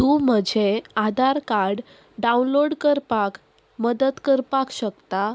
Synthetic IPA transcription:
t̪ũm̤əd͡ʑʱead̪ʱaɾkaɾɖ | ɖaunloɽkəɾpak | məd̪ət̪kəɾpakɕəkt̪a

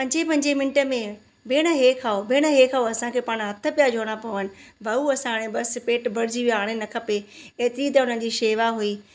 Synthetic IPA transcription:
pɐ̃ɲd͡ʑepɐ̃ɲd͡ʑemɪ̃nɪʈə̆mẽ | beːɽ̃əɦeːkʰaːobeːɽ̃əɦeːkʰaːoɐsãkʰeːpaːɽ̃ɦɐt̪ʰə̆pijad͡ʑʱoːɽ̃apɐʋənɪ̆ʋɐuɐsãːɽ̃ẽbɐspeːʈbʱɐɽɪd͡ʑiʋiaːɽ̃enɐkʰɐpeeːt̪ɪɾit̪̬ɐʊn̤ən̆d͡ʑiːʃeːʋaɦuiː

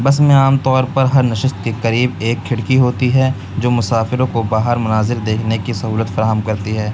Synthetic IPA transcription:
bɐs̬mẽaːmt̪ɔːɾpɐɾɦɐɾnɐʃɪst̪̚kekɐɾiːbeːkʰːɪɽkiɦoːt̪iɦɛ | d͡ʒoːmʊsaːfɪɾõkobaːɦəɾmʊnaːzɪld̪eːkʰnekisɐɦuːlət̪fɐɾaːɦəmkɐɾt̪iɦɛː

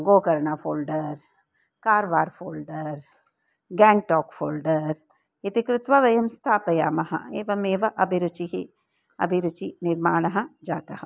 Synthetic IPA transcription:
ɡoːkɐɾɳafʰoːlɖɐɾ | kaːɾʋaːɾfʰoːlɖɐɾ | ɡɛ̃ːɳʈɔːkfʰoːlɖɐɾ | it̪ikɾɪt̪ʋɐʋɐjɐmst̪ʰaːpɐjaːmɐɦɐ̰eːʋɐmeːʋɐʔɐbʱiɾut͡ʃiɦi | ɐ̰bʱiɾut͡ʃinɪɾmaːɳɐɦɐ̆d͡ʒaːt̪ɐhɐ

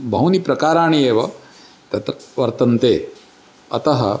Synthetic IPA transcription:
bʱɐwnipɾɐkaːɾaːɳijeːʋɐ | t̪ɐt̪ɾɐʋɐɾt̪ɐnt̪eː | ɐ̰t̪ɐɦɐ̰

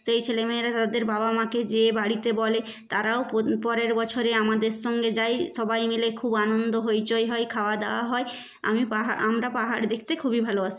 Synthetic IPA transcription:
ʃejt͡ɕʰelemeeɾat̪aad̪eɾbabamaked͡ʑebaɽit̪ebɔle | t̪aɾaopɔɾeɾbɔt͡ɕʰoɾeamad̪eɾʃɔŋɡed͡ʑajʃɔbajmilekʰubanond̪oɦojt͡ɕojɦɔjkʰaoad̪ewaɦɔe | a̰mipaɦamɾapaɦaɾd̪ekʰt̪ekʰubibʱaloat͡ɕʰi̥

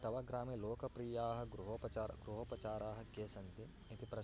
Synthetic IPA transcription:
t̪ɐʋɐɡɾaːmiloːkɐpɾiːjaːɦɐ̆ɡɾuɦɐpɐt͡ʃaɾɡɾuɦɐpɐt͡ʃaːɾaːɦɐ̆keːsɐnt̪i | it̪ipɾɐ

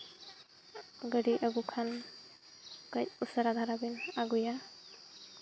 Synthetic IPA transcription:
ɡəɽiʔəɡukʰan | kʌjusaɾad̪ʱaɾabinaɡuja

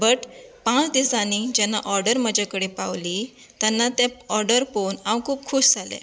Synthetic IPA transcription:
bəʈpãt͡sd̪isanid͡ʑɛnːaʔɔɾɖəɾməd͡ʑakəɽepawli | t̪janːat̪ɛɔɾɖəɾfonãwkʰuːp̚kʰuːɕd͡zʱalɛ̰

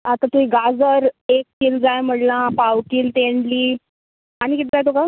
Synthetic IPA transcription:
at̪ãt̪uiɡad͡zəɾek̚ːiːld͡zajm̤əɽlãpawʈiːlt̪eɳliː | añikit̪d͡zajt̪oka

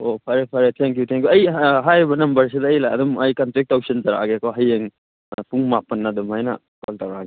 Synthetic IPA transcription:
opʰaɾepʰaɾet̪ʰɛŋk̬jut̪ʰɛŋkjuɐjɦajbɐnɐmbɐɾs̬ed̪aːjlaɐ̰dumɐjkantɾɛk̚tawsenzaɾa̰ɡekoɦɐjeŋ | puŋmapɐnːad̪umajna̰ | kɔltawɾaɡe

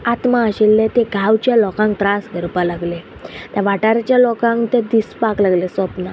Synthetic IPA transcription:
at̪maəɕelːẽt̪eɡʱawt͡ɕjalɔkãŋk̚t̪ɾasɡʱəɾpalaɡle | t̪jaʋaʈaɾat͡ɕjalɔkãŋkt̪ẽd̪ispaklaɡlesɔpna

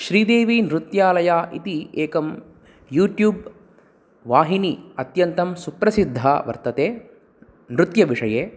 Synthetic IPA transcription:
ʃɾiːd̪eːʋinɾut̪jaːlɐjaːʔḭt̪ieːkɐm | juːʈjuːb | ʋaːɦiniɐt̪jɐnt̪ɐmsupɾɐsid̪ʱːaːʋɐ̰ɾt̪ɐt̪eː | nɾut̪jɐʋiʂɐjeː

